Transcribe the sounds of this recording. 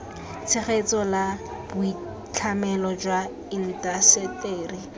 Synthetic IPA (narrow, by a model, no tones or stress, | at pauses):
t͡sʰeχet͡sʼɔlab̥ʊi | t͡ɬʰamɛlɔd͡ʒwa | in̩tʼasɛteːri